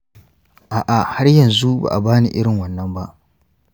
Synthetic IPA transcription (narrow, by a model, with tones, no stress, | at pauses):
ʔaː˨ʔa˨ha˦rjɐ˨nzu˦ba̰ː˨ʔa˨baː˦nḭ˨ʔɪ˦ɽɪ˨ŋwɐ˨nːɐ˦mba˦ʔ